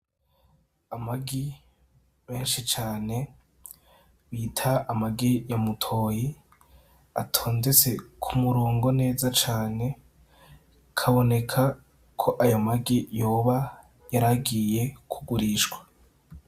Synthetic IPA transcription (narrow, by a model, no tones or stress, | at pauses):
amaɡi | me̞ːnʃit͡ʃaːne̞ | βiːtʰaːmaɡijamutʰo̞ːji | atʰoːndet͡se̞kʰumuɾoːŋɡo̞ne̞ːzat͡ʃaːne̞ | kʰaβo̞ne̞kʰa | kʰo̞ʔajamaɡijo̞ːβa | jaɾaɡiːje̞kʰuɡuɾiʃɡwḁ